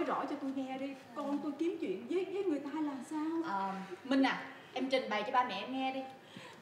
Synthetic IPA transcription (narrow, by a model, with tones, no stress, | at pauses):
jzɔ̰˧˥t͡ɕɔ˧t̪o˧jŋɛ˧ɗi˧ | kɔ˧nt̪o˧jki˨˦əmt͡ɕwḭ˧˨ənzəː˨˦jzəː˨˦jŋɨ˨˩əjt̪aː˧jlaː˨˩msaː˧wʔəː˨˩mï˧ŋ̟ːaː˨˩ | ʔɛ˧mt͡ɕï˨˩ŋ̟ɓə˨˩jt͡ɕɔ˧ɓaː˧mɛ̰˧˨ʔɛ˧mŋɛ˧ɗi˧